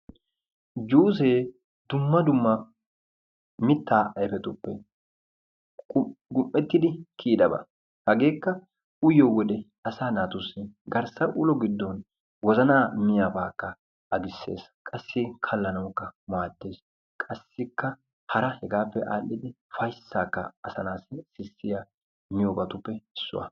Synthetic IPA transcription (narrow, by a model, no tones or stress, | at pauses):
d͡ʒuːs̬eː | d̪ʊmːɐd̪ʊmːɐ | mɪt̪ːaːʔɐfɛt̪ʊpːɛ | ʊɡʊmːɛt̪ːɪd̪ɪkʰiːd̪ɐbɐ̰ | hɐɡe̞ːkːɐ | ʊjɔwɔd̪ɛ | ɐsaːnaːt̪ʊsːɛɡɐɾsɐʔʊlɔɡɪd̪ːɔn | wɔzɐnaːmɪjabaːkːɐ | ɐɡɪsːe̞̰ːskʼɐsːɪkʰɐlːɐnɐwkːɐmaːd̪ːe̞ːs | kʼɐsːɪkːɐ | hɐɾɐhɛɡaːpːɛʔa̰ːlːɪd̪ɪ | fɐjsːaːkːɐ̰ɐsɐnaːssɪsːɪjɐ | mɪjoːbɐt̪ʊpːɛɪsːʊ̰wɐ̰